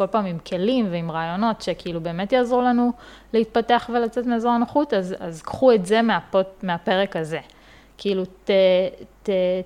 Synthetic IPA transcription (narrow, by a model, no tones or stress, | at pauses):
ko̞lpaːmimkʰe̞limveimʁaːjo̞no̞tʃekiilube̞ːme̞t̪jaːzʁulanu | leit̪̚pateaχve̞lat͡setmeːzoʁanoχut̪azazkχuetze̞meapomeape̞ʁe̞kaze̞ | kiilutete